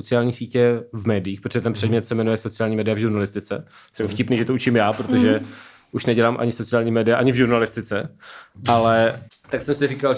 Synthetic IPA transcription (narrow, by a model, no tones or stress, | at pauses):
ot͡sɪaːlɲiːxsiːcɛvmɛːdɪjːxpɾoʒɛt̪ɛnpr̥ɛdmɲɛt̪sɛmɛnujɛso̞t͡sɪjaːlɲiːmɛːdɪjavʒuɾnalɪst̪ɪt͡sɛ̰ | sɛmfcɪpniːʒɛt̪out͡ʃɪmjaːpɾot̪o̞ʒɛ | ʔuʃnɛɟɛlaːmʔa̰ɲɪso̞t͡sɪjaːlɲiːmɛːdɪjaʔaɲɪvʒuɾnalɪst̪ɪt͡sɛ | alɛ | t̪aksɛmsɪriːkal